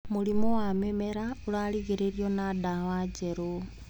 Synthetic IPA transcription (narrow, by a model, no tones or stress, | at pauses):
mulimowamemeɾaulaliɣeɾeɾjonadawaɟeɾo